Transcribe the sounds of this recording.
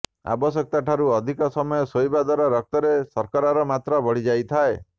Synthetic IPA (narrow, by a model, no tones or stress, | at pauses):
a̰bɔsjɔk̚t̪aʈʰaɾuɔd̪ʱikɔsɔmɔjɔsojbad̪waɾɔɾɔk̚t̪ɔɾesɔɾkaɾaɾɔmat̪ɾɔbɔɽ̤id͡ʒajt̪ʰae